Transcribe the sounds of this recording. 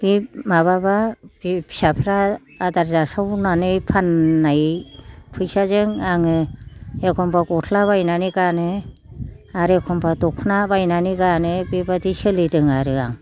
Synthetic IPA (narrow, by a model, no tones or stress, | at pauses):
b̥imaβababbi̥sapʰɾaːdaɾzasawnanɯjpʰanːajpʰɯjsazɯŋaŋɯekʰɔmbʰakɔtʰlaβajnaniɡanɯ | aɾekʰɔmbʰadɔkʰnabajnaniɡanɯbibadisɯlidɯŋaɾɯa̰ŋ